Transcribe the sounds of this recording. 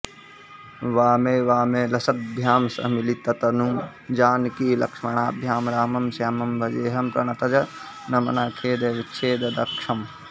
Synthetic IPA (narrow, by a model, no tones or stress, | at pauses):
ʋaːmeːʋaːmeːlɐsɐt̪̚bʱjaːmsɐ̰milit̪ɐt̪ɐnum | d͡ʒaːnkiːlɐ̰kʂmɐɳaːbʱjaːmɾaːmɐmsjaːmɐmbʱɐd͡ʒeːɦɐmpɾɐɳɐt̪ɐd͡ʒɐ | nɐmɐnaːkʰeːd̪ɐʋitːʃʰeːd̪ɐd̪ɐkʂɐm